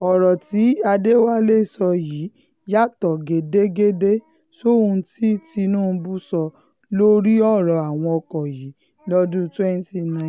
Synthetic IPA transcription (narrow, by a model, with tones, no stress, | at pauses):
ɔ˨ɾɔ˨ti˨˦a˧de˦wa˦le˦˨sɔ˧ji˨˦ | ja˦tɔ˨ɡe˨de˦ɡe˦de˦ | so˦˨ũ˧ti˦ti˧nũː˦˧bu˦sɔ˧ | lo˦ɾi˦ɔ˦˨ɾɔ˨a˨w̃ɔ̃˧ɔ˧kɔ˨ji˨˦ | lɔ˦dũ˦twɛ˦n˦ti˧nã˦˨